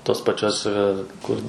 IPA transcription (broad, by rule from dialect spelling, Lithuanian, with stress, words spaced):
toːs pɐˈt͡ʃʲoːs ˈkʊr